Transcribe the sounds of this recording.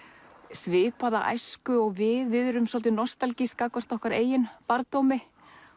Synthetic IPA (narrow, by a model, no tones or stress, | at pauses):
svɪːpaða̰ʔa̰jskʏɔɣvɪðvɪðɾʏmsɔlt̪ɪnɔst̪alciskakvar̥t̪ɔhkvaɾeːjɪnpaɾt̪owmɪ